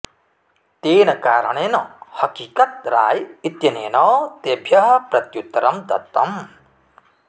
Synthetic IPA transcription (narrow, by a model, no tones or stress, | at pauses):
t̪eːnɐkaːɾɐɳeːnɐhɐkiːkɐt̪̚ɾa̰ːjit̪jɐneːnɔːt̪ebʱjɐɦɐpɾɐt̪jut̪ːɐɾɐmd̪ɐ̰t̪ːɐm